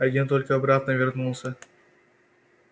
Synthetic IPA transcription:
ɐɡʲent̪olʲkəɐbɾat̪nəvʲɪrnulˠsʲə

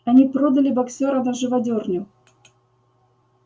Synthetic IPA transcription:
ɐnʲipɾod̪əlʲɪbɐksʲoɾənɐʐɨvɐdʲornʲʊ

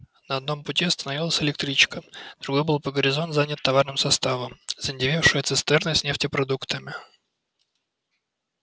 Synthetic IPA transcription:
nəɐd̪no̞mpʊtʲiɐst̪ənɐvʲilˠəsʲɪlʲɪk̚t̪ɾʲit͡ɕkəd̪ɾʊɡo̞jbɨlˠpəɡəɾʲɪzo̞nt̪zanʲət̪ːɐvarnɨmsɐst̪avəmzənʲɪdʲɪvʲifʂɨjət̪sɨst̪ɛrnəsʲnʲeftʲɪpɾɐd̪ukt̪əmʲɪ

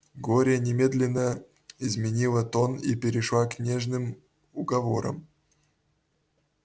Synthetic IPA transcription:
ɡoɾʲɪjənʲɪmʲe̞d̪lʲɪnːə | izmʲɪnʲilˠət̪o̞nipʲɪɾʲɪʂlˠaknʲeʐnɨm | ʊɡavo̞ɾə̰m

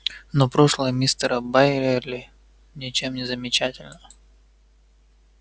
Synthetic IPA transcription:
nopɾoʂlˠəjəmʲist̪əɾəbajɾʲerlʲɪ | nʲɪt͡ɕe̞mnʲɪzəmʲɪt͡ɕætʲɪlʲnə

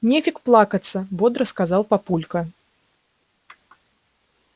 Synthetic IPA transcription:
nʲefʲɪkplˠakɐt̪sːɐvɔd̪ɾəskazalˠpapulʲkɐ

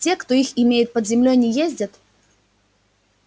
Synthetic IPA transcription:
tʲekt̪oixɪmʲejɪt̪̚pəd̪zʲɪmlʲojnʲɪjezʲdʲət̪

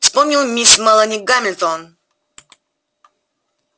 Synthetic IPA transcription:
fspɔmɲʲiwmʲismalanʲiɡamʲilʲt̪ɔn

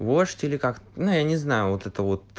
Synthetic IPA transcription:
voʂt̪ʲɪlʲɪkakt̪nujanʲɪznajʊvot̪ɛt̪əvot̪̚

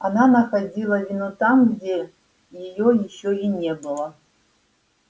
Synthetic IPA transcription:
ananɐxad͡zʲilˠəvʲinut̪amɡd͡zʲe | jɪjojɪɕːoinʲɛbɨlˠə

